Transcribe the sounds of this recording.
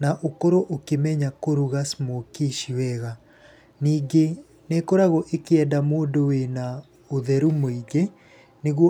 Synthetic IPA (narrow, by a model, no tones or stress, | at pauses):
naʔokoɾoʔokemɛɲakoɾuɣasmokeʃiwɛɣa | niːɡe | nekoɾaɣoʔekeɛdamoːdowena | oðɛɾumoiɡe | neɣwɔ